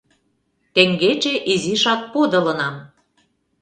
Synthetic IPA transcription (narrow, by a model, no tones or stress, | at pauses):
t̪eŋɡet͡ɕeʔiziʃɑt̪̚pod̪ɤ̆lɤ̆nɑm